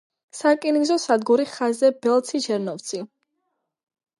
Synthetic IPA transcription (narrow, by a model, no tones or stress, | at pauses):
sakʼinizɔsad̪ɡuɾiχazɛbɛlˠt̪sʰid͡ʒɛɾnɔvt̪sʰi